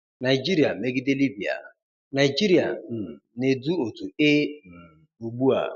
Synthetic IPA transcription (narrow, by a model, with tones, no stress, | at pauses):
na˨i˨d͡ʒi˦ɾi˨a˨me˦ɡɪ˦dɪ˦li˦bi˨a̰˨ | na˨d͡ʒi˦ɾi˨a̰˨n̩˨ne˨du˦o˨tu˨ɪ˦n̩˨ | u˨ɡ͡bu˦a̰˨